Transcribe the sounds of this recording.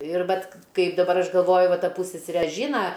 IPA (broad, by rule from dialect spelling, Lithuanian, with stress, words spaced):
ɪr ˈʋɐt ˈkɐɪp dɐˈbɐr ˈɐʃ ɡɐlˠˈʋoːjʊ ˈʋɐ ˈtɐ ˈpuːsʲsʲɛsʲɛrʲɛ ˈʒʲiːnɐ